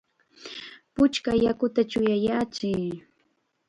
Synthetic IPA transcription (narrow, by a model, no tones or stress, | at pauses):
pʊt͡ʃkajakʊt̪at͡ʃʊjajaːt͡ʃɪ